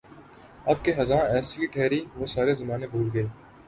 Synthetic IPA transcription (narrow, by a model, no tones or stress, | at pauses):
ɐbkeɦɐzãːɛːsikiʈʰɛːɾiːʋoːsaːɾezɐmaːnebʱuːɾɡəeː